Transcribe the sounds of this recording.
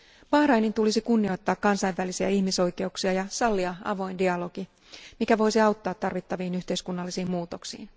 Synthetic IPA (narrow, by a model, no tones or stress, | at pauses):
pɑhɾɑjnint̪ulisikunːio̞jt̪ːɑːkːɑnsɑjʋʋælisiæ̰ihmiso̞jke̞uksiɑjɑsɑlːiɑɑ̰ʋo̞jndiɑlo̞ɡ̥i | mikæʋo̞jsiɑwt̪ːɑːt̪ːɑrʋit̪ːɑʋiːnyçt̪e̞jskunːɑlːisiːmmuːt̪o̞ksḭːn